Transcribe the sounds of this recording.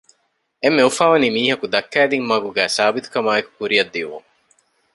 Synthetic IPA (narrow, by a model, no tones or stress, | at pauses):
emːeufaːʋɐniːmiːɦɐkud̪ɐkːæːd̪iŋmɐɡuɡæːsaːbit̪u̥kɐmaːeku̥kuɾijɐd̪ːiʋṵŋ